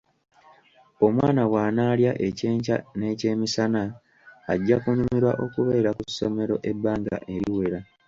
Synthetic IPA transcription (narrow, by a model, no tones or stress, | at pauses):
o̞mwa̰ːnawaːnaːljaʔe̞ceːɲca̰ne̞ːce̞ːmisanaː | ɟːakunumiɾwaʔo̞kuβe̞ːɾakusːo̞me̞ɾo̞ʔe̞bːaːŋɡa̰ʔe̞ɾiwe̞ɾa